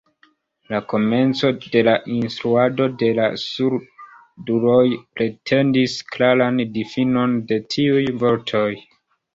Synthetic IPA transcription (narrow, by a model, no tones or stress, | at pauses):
lako̞me̞nt͡so̞de̞laʔinstɾuado̞de̞la̰suɾ | duɾo̞jpɾe̞tʰe̞ndisklaɾandifino̞nde̞tʰiujvo̞ɾtʰo̞j